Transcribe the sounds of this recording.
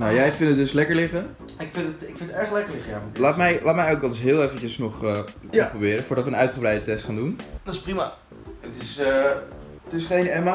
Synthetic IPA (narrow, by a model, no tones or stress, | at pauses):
nawjɛjfɪndətdɵslɛkəɹlɪχən | ɪkfɪntətɪkfɪntətɛɹχlɛkəɹlɪχəjatlaːtmɛjlʔaːtmɛjok̚ɔnsɦɪːlˠeːfət͡ʃəsnɔχəprobɪːɾəfʊːɹdɑtʋənœɥtχəbrɛjdətɛstχaːndundɔsprima | ətɪsə | tɪsχejnɛma